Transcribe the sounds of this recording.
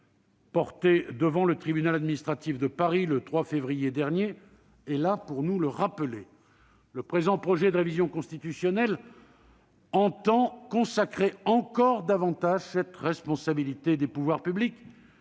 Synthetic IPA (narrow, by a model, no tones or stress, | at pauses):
pɔʁt̪ed̪əvɑ̃lət̪χibynalad̪minist̪χat̪ifd̪əpaʁilət̪χwafevʁijed̪ɛʁnjeː | lapuʁnuləʁapəle | ləpχezɑ̃pχɔʒɛd̪əʁevizjɔ̃kɔ̃st̪it̪ysjɔnɛl | ɑ̃t̪ɑ̃kɔ̃sakχeɑ̃kɔʁd̪avɑ̃t̪aʒsɛt̪ʁɛspɔ̃sabilit̪ed̪epuvwaʁpyblik